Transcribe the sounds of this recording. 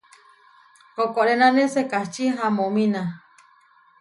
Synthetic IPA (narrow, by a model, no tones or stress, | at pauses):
kokoɾenãnesekaht͡ʃiɦãmõmĩna